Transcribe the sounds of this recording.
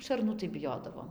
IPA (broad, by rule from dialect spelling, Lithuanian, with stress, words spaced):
ʃɐrˈnuː tɐɪ bʲɪˈjoːdɐʋoːm